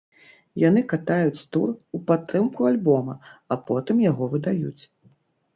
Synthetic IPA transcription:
jan̪ɨkat̪ajut͡sʲt̪ṵrupat̪ːɾɨmkualʲbɔmɐapɔt̪ɨmjaɣɔvɨd̪ajṵt͡sʲ

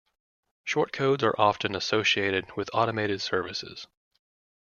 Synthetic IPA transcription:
ʃɔɹt̚kʰoʊdzə̰˞ʔɑfɨ̃nəsoʊʃieɪɾɨd̚wɨðɑɾəmeɪɾɨd̥sɜ˞vɨsɪ̰z̥

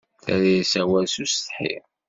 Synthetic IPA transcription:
θæɾisæwælsust̪ħḭ

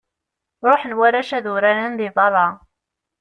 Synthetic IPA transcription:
ɾˤoħnwæɾæʃæðʊɾænənðɪðˤɑrˤːɑ

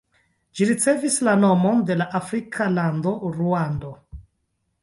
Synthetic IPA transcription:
d͡ʒiɾit͡se̞vislano̞monde̞laʔafɾikʰalandoɾuando̞

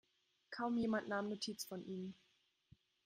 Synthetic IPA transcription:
kʰaʊmjeːmantnaːmnotʰiːt͡sfɔnʔiːm

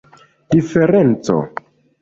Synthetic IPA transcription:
dife̞ɾent͡so̰

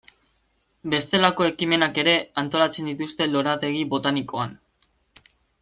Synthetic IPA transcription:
be̞st̪e̞lako̞e̞kime̞nake̞ɾe̞ant̪o̞lat͡se̞nd̪it̪ust̪e̞lo̞ɾat̪e̞ɣ̞iβo̞t̪anikoan

